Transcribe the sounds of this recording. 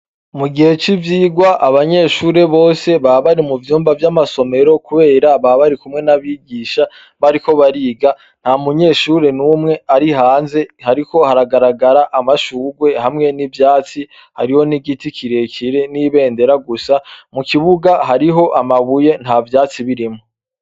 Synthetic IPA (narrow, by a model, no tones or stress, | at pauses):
muɡihe̞t͡ʃivjiːɡwaʔaβaɲe̞ʃuːɾe̞βo̞ːse̞βaβaɾimuvjuːmbavjamaso̞me̞ɾo̞kuβe̞ːɾaβaβaɾikumŋe̞naβiɡiːʃa | βaɾiko̞βaɾiːɡa | n̥hamuɲe̞ʃuːɾe̞numŋe̞aɾiɦaːnze̞haɾiko̞haɾaɡaɾaɡaɾaʔamaʃuːɡwe̞hamŋe̞nivjaːt͡si | ha̰ɾiho̞niɡitikʰiɾe̞kʰiɾe̞niβe̞ːnde̞ɾaɡusamukiβuɡaɦaɾiɦo̞ʔamaβuje̞n̥haːvjaːt͡siβiɾimo